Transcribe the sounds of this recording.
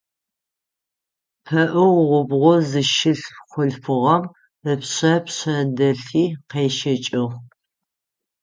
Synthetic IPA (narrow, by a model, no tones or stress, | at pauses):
pʰɐʔɨʁʁʷʊbʁʷɔzɨʃɪɬχʷʊɬfɨʁɐm | əpɕɐpɕɐdɐɬiːqeːʃɐt͡ʃʼɪʁ